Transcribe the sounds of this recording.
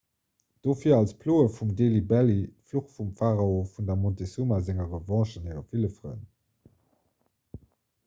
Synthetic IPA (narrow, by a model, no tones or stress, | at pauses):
d̥oːfiːɐɑlspʰloːəfumdeːlibælitfluχfumfaʁaofundɐmɔntesumazæŋəʁəvɑ̃ːʃəniʁəfiləfʁə̰n